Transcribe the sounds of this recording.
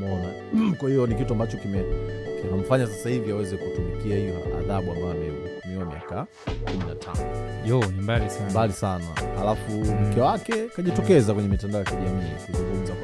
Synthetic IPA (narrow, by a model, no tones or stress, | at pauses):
mɔna | kwahijɔnikituambat͡ʃɔkimɛkinam̩faɲas̬asahiviawɛzɛkutumikiahijɔ̰a̰ðaɓuambajɔamɛikumiamḭa̰ka | kumina̰tʰa̰nɔʄɔnimbalismbalisana̰ha̰lafum̩kɛwakɛkaʄitɔkɛzakwɛɲɛmitandaɔjakiʄamiːakuzuŋɡum̩za